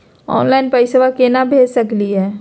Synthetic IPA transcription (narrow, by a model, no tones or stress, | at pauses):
ɔ̰ːnlaːɪnpəɪsəʋakenabʱeːd͡ʒsɐkliɦɛː